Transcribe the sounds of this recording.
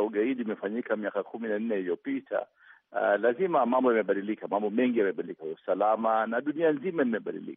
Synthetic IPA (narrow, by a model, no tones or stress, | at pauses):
uɠaiɗiːmɛfaɲikamiakakuminan̩nɛijɔpitʰa̰ | lazimamambɔjamɛɓaɗilikamambɔmɛŋɡijamɛɓaɗilikausalamanaɗunianzimaimɛɓa̰ɗḭlḭkḁ